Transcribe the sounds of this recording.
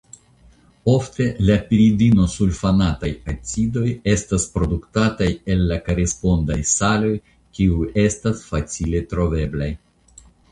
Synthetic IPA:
o̞fte̞lapiɾidino̞sulfanatajat͡sido̞je̞staspɾo̞duktataje̞lːakaɾespo̞ndajsalo̞j | kiue̞stasfat͡sile̞tɾo̞ve̞blaj

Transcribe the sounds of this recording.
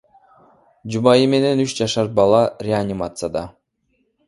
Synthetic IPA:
d͡ʒumɑjime̞ne̞nyt͡ʃd͡ʒɑʃɑɾt̪̚bɑlˠɑɾʲeanʲɪmat̪sɨjad̪ɑ

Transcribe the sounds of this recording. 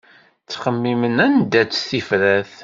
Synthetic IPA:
t͡sːχəmːimənænd̪æt͡sːθifɾæθ

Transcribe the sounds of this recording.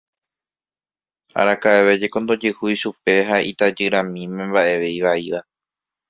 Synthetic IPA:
a̰ɾakaeʋe̞d͡ʒeko̞nd̪o̞d͡ʒɨhujʃupe̞ɦaʔḭt̪ad͡ʒɨɾãmĩmẽ̞mbaʔe̞ʋe̞jʋaiʋa

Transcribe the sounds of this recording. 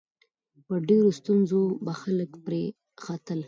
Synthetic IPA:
pəɖeɾost̪unzobaxaləkpɾe | xat̪əl

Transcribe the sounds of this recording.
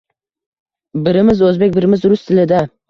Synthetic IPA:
bɪɾɪmɪzɵzbekʲbɪɾɪmɪzɾʊst̪ʰɪlɪd̪a

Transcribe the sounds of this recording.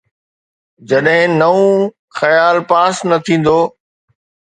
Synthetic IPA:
d͡ʑɐɗɦɪ̃nɐũ | xɐjaːlpaːsnɐt̪ʰĩːn̆d̪oː

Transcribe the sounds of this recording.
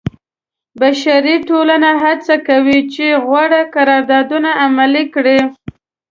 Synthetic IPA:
baʃaɾiʈolanaɦat͡sakawit͡ʃeɣwaɽakaɾɑɾd̪ɑd̪unaːmalikɽi

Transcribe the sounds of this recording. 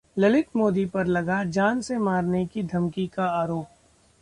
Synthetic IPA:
lɐlɪk̪moːd̪ipɐɾlɐɡad͡ʒaːnsemaːɾnekid̪ʱɐmkikaaːɾoːp̚

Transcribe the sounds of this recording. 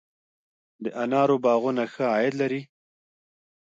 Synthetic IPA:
d̪əʔanɑɾobɑɣunaxəɑjɪd̪laɾi

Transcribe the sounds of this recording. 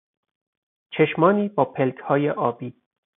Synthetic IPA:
t͡ʃʰeʃmɒːniːbɒːpʰelkʰhɒːjeʔɒːbiː

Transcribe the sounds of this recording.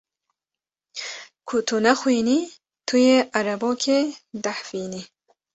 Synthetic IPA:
kʰut̪ʰunɐxwini | t̪ʰujeʔɐɾɐbokʰed̪aħfiːni

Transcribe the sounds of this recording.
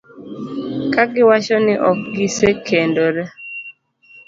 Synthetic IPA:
kaɡɪwat͡ʃɔnɪʔɔk̚ɡisekʰendoɾɛ

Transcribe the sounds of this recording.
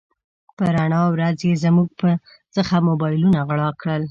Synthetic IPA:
pəɾaɳɑwɾazjezəmuɡ̚pə | t͡səxamobɑjlunaɣɽɑkɽəl

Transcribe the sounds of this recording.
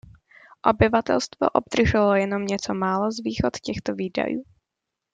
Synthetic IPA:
ʔobɪvat̪ɛ̰lst̪vo̰ʔob̚d̪̥r̩ʒɛlojɛno̞mɲɛt͡somaːlozviːxot̪cɛxt̪oviːda̰juː

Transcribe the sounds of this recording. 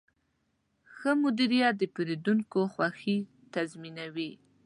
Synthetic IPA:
xəmʊd̪iɾijat̪̚d̪əpeɾed̪uŋkoxwaxi | t̪azminawi

